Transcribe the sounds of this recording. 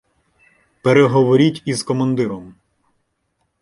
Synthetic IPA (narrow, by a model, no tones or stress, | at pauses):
peɾeɦɔʋɔɾʲitʲizkɔmɐnd̪ɪɾɔm